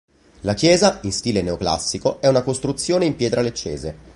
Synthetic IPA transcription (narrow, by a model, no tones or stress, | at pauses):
lakjɛːzainst̪iːleneokla̰sːikoɛunakost̪ɾut̪sːjoːneimpjɛːt̪ɾalet͡ʃːḛːze